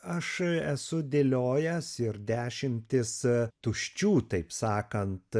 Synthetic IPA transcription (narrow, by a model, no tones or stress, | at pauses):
ɐʃɛsʊd̪ʲelʲoːjɛsɪɾd̪ʲæːʃʲɪmʲt̪ʲɪst̪ʊʃʲt͡ʃʲuːt̪ɐɪpsɑːkɐnt̪